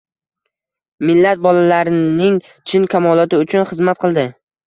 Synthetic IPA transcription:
mɪlːat̪̚bɒlalaɾɪnɪŋ | t͡ʃʰɪnkʲʰamɒlˠɒt̪ɪʊt͡ʃʰʊnχɨzmat̪̚qʰɨlˠd̪ɪ

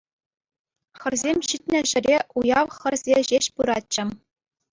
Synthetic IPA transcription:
xɘ̆rzʲemʲɕitʲnʲɘ̆ʑɘ̆ɾʲeʔujɑʋχɘ̆rʲzʲeʑeɕpuɾɑt͡ɕːɘ̆

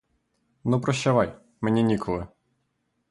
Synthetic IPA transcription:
nupɾɔʃt͡ʃɐʋɑj | menʲinʲikʰɔlˠɪ

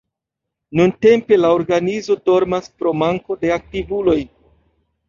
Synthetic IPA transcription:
nunte̞mpe̞lao̞ɾɡanizo̞do̞ɾmaspɾo̞maŋko̞de̞ak̚tivulo̞j

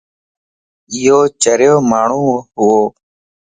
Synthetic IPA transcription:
ɪɦoːt͡ʃəɾjoːmaːɳ̤ũːɦʊoː

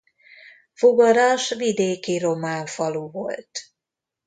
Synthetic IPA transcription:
fuɡɒɾɒʃvid̪eːkiɾo̞maːɱfɒluːvo̞̰lt̪

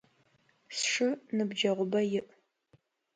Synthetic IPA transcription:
sʂɨnɨbd͡ʒɐʁʷʊbɐjɪʔ

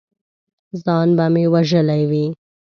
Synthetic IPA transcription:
zɑnbamiwaʒəlajwi

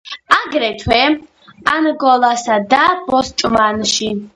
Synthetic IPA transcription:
aɡɾɛt̪ʰwɛ | anɡɔlasad̪ab̥ɔst͡ʃʼmanʃi

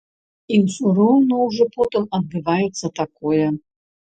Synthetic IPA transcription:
iwsuɾɔwnɔwʐɔpɔt̪ɨmɐd̪̚bɨvajɛt̪sːɐt̪akojɛ

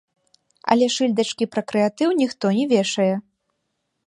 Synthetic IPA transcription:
ɐ̰lʲɛʂɨlʲd̪ɐt͡ʂkʲipɾɐkɾɛjat̪ɨwnʲixt̪ɔnʲɛvʲɛʂɐjɛ

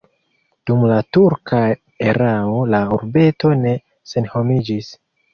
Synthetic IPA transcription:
d̥umlatuɾkʰa | eɾaolauɾbe̞to̞ne̞ | se̞nho̞mid͡ʒis

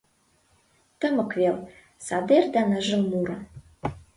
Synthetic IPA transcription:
t̪ə̆mə̆kvelˠ | sɑd̪erd̪ɑnəʒə̆lˠmuɾɑ

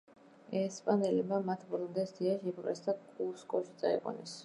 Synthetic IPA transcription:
ɛspʼanɛlɛmamat̪ʰbɾund̪ɛsd̪iaʃɛpɾɛsd̪akʼuskʼɔʃit̪sʼa̰ḭqʼɔ̰nɛs

